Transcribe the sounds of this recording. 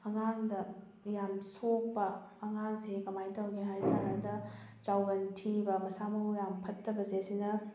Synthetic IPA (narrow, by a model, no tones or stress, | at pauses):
ɐŋaŋdɐ | jamsok̚pɐː | ŋaŋsekɐmajtɐwɡeɦajtanɐdɐ | t͡ʃawɡɐntʰibɐmɐsamɐwjampʰɐtːɐbɐzesinɐ